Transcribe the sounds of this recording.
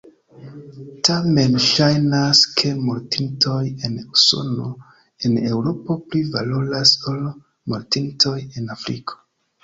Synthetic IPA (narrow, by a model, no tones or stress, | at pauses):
tame̞nʃajnaskʰe̞moɾtinto̞je̞nuso̞̰no̞ | e̞ne̞wɾo̞po̞plivalolasol | moɾtintʰo̞je̞nafɾḭkʰo̥